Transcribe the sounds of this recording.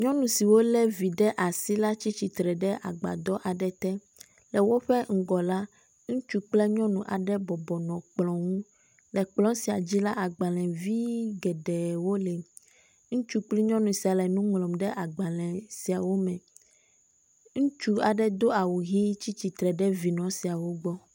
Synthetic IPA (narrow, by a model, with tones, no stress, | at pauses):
ɲɔ̃˦nũ˨si˨wo˦lɛ˦vi˨ɖɛ˦ʔa˨si˦la˦t͡ɕi˦t͡ɕi˨t̪ɾɛ˨ɖɛ˦ʔa̰˨ɡ͡ba̰˨d̪ɔ˦ʔa˨ɖɛ˦t̪ɛ˦ | lɛ˨wo˦ɸɛ˦ŋ̩˦˨ɡɔ˨la˦ | ŋũ˦t͡ʃu˦k͡plɛ˦ɲɔ̃˦nũ˨ʔa˨ɖɛ˦bɔ˨bɔ˨nɔ̃˨k͡plɔ̃˨ŋũ˦ | lɛ˨k͡plɔ̃˦si˨a˨d͡ʑi˦la˦ʔa˨ɡ͡ba˨lɛ̃˨vi˦ɡɛ˨ɖɛ˨wo˦lɛ˨ | ŋũ˦t͡ʃu˦k͡pli˦ɲɔ̃˦nũ˨si˨a˨lɛ˨nũ˦ŋlɔ̃˨mɖɛ˦ʔa˨ɡ͡ba˨lɛ̃˨si˨a˨wo˦mɛ̃˨ | ŋũ˦t͡ʃu˦a˨ɖɛ˦d̪o˦a˨wu˨ɦi˦t͡ɕi˦t͡ɕi˨t̪ɾɛ˨ɖɛ˦vi˨nɔ̃˨si˨a˨wo˦ɡ͡bɔ˦